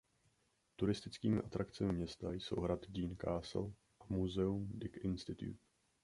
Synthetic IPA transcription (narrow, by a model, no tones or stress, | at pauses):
t̪uɾɪst̪ɪt͡skiːmɪʔat̪ɾʔakt͡sɛmɪmɲɛst̪ajso̰wɦɾat̪ɟiːnkaːsl̩ | ʔamuzɛumdɪkʔɪnst̪ɪt̪jṵt̪